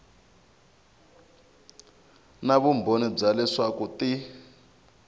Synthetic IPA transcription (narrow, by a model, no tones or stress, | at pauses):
naβumbʱonib͡ʐalɛʂakuti